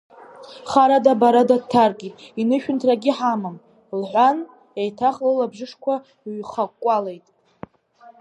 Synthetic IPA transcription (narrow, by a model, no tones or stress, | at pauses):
χaɾadabaɾadatʰːarɡʲʼitʼinɨʃᶣʏntʰraɡʲɪħamɨm | lħʷan | ejtʰaχlɨlabʐɨʂkʷʰa | ɥχakʷʼalejtʼ